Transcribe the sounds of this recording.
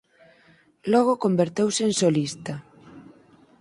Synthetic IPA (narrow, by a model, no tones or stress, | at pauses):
lɔɣ̞ʊkombeɾt̪ewseensolist̪ɐ